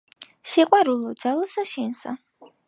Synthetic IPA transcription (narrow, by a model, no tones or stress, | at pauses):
siqʼwaɾulˠɔd̪zalˠasaʃinsa̰